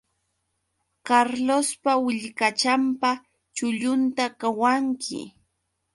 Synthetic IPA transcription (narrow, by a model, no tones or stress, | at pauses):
kaɾlospawɪʎkat͡ʃampa | t͡ʃʊʎʊnt̪akawaŋkʰɪ̰